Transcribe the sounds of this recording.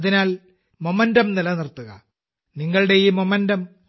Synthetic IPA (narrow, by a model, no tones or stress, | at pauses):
ɐðinaːl | momɐndɐmnɐlɐnirt̪ːuɣɐ̰ | niŋːɐɭɨɽe̞iːmomɐndɐm